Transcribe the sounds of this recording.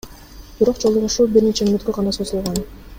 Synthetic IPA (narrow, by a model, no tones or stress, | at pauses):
b̥iɾo̞qd͡ʒo̞lˠuʁuʃuːbiɾnet͡ʃemymøt̪køʁɑnɑsozulˠʁɑn